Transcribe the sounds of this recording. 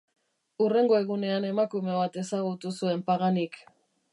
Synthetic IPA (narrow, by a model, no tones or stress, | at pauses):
ure̞ŋɡo̞e̞ɣune̞ane̞makume̞βat̪e̞saɣut̪usue̞mpaɣanik